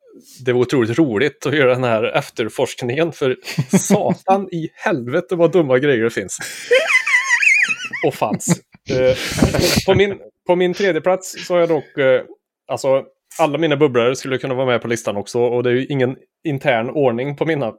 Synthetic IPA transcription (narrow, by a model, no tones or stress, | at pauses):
d̪ɛvaɾʊt̪ʰɾuːlɪt̪ɾuːlɪt̪ʰɔjœːɾad̪ɛnhæːɾɛ̰ft̪əɾfɔʂknɪŋənfœɾsɑːt̪anɪhɛlvət̪əvad̪ɵmːaɡɾɛjːəɖɛfɪns | ɔfa̰ns | ɔpʰɔmɪnpʰɔmɪnt̪ʰɾeːd̪jəpʰlat̪ssɔhaɾjad̪ɔkː | alsɔ | alːamiːnabɵblaɾskɵlːəkʰɵnːavɑːɾamɛpʰɔlɪst̪anɔksɔɔd̪ɛæjɵʔɪŋːən | ɪnt̪ʰæːɳoːɳɪŋpʰɔmɪnːa